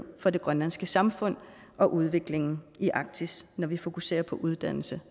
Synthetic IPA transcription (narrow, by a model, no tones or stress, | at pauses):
fɒ̽de̝ɡ̥ʁɶnlænsɡ̥əsɑ̈mfɔ̽n̰ | ʔɒ̽ʔuð̞ˠʋe̝ɡ̥le̝ŋn̩iʔɑ̈ɡ̥̚t͡sʰisnɒʋifo̝kʰuse̝̰ːɐpʰɒ̽ʔuð̞ˠd̥æn̰l̩sə